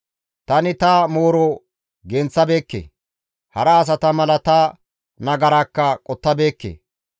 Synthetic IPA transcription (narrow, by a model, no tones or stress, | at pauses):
t̪ɐnɪt̪ɐmo̞ːɾɔ | ɡɛnt͡sːɐbe̞ːkːḛː | hɐɾɐːs̬ɐt̪ɐmɐlɐt̪ɐ | nɐɡɐɾaːkːɐkʼɔt̪ːɐbe̞ːkːḛː